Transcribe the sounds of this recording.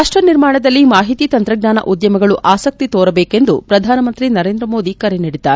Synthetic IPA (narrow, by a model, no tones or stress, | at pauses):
aʂʈɾɐniɾmaːɳɐd̪ɐlːimaːɦit̪iːt̪ɐnt̪ɾɐɡɲaːnɐ̰ʔud̪jɐmɐɡɐɭuʔaːsɐk̚t̪it̪oːɾɐbeːke̞nd̪upɾɐd̪ʱaːnɐmɐnt̪ɾinɐɾeːnd̪ɾɐmo̞ːd̪ikɐɾenɐɽit̪ːaːɾ